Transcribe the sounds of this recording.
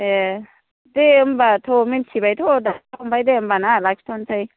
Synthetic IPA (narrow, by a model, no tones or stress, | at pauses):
e | deɯmbatʰominsʰibajtʰodaakʰɔmpʰajdeɯmbanalak̚stʰonsʰaj